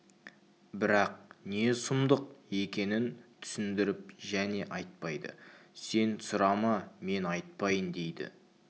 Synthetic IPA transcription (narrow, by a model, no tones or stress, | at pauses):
bɪɾɑq̚ne̞sʊmd̪əq̚e̞kʲe̞nɪnt̪ʰʏ̥sɪnd̪ɪɾɪp̚ʒæne̞ʔɑjt̪̚pɑjd̪ə̰se̞nsʊɾɑmɑme̞nɑjt̪̚pɑjənd̪e̞jd̪ɪ̰